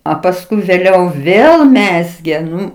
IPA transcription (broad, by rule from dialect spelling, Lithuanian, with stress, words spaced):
ɐ pɐsˈkʊɪ ʋʲeːˈlʲɛʊ ˈʋʲeːlˠ ˈmʲæːzʲɡʲeː ˈnʊ